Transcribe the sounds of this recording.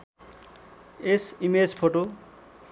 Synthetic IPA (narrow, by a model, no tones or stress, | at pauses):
esimed͡zpʰoʈo